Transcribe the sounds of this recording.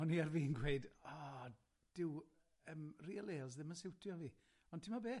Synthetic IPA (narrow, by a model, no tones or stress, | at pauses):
ɔniarviːnɡweɨdɔː | d̥ɪw | əːmriɛlˠeːɔzðɪmənsɪwtʰjɔviː | ɔntʰɪmɔbeː